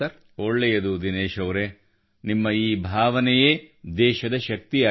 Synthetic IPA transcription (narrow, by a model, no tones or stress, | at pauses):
ɐɾ | oɭːejɐd̪ud̪ineːʃɐʋɾe | nimːɐiːbʱaːʋɐnɛjeːd̪ɛːʃɐd̪ɐʃɐk̚t̪iaː